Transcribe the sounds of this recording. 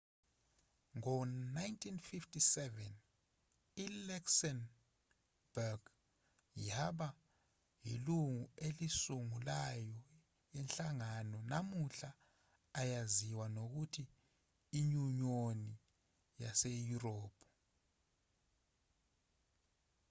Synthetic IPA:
ŋɔnajntʰinfiftʰʼisɛvɛn | ilɛksɛn | b̥ɛrɡ | jaɓa | ɦḭluŋuelisuŋulajɔ | jɛnɬaŋanɔnamuɬaː | jaziwanok̬utʰiː | ɲuɲoni | jasejurɔːpʰɔ

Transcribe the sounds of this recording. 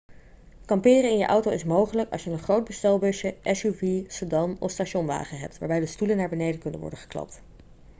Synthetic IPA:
kɑmpɪːrəɪnjəʔɑwtowɪsmowχələkɑ̰lˠʃjənənχrowd̚bəstɛlˠbɵʃəʔɛsuvisədɑmɔ̰fstaʃɔnʋa̰ːχənɦɛp̚tʋaːɹbɛjdəstulənːaːɹbənejdəkɵnə̰nʋɔ̰ɹdənχə̥klɑ̰p̚t

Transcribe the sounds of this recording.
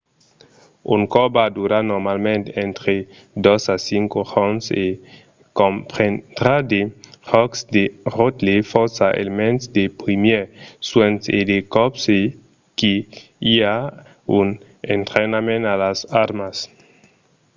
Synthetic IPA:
uŋkɔbad̪uɾanoɾmalmẽnt̪eẽnt̪ɾe | d̪osasiŋkoʁonse | kõmpɾend̪ɾad̪eʁɔksd̪eʁot̪lefɔɾsaʔḛlemẽnt̪sd̪epɾimjeɾswent̪sed̪ekɔpse | ki | ia | un | ḛnt̪ɾenamẽnalasaɾmas

